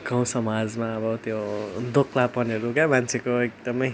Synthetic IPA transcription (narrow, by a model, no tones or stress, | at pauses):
ɡaw̃sʌmad͡zmaʌbʌt̪jod̪okʰlapʌneɾukamant͡sʰekoek̚d̪ʌmʌj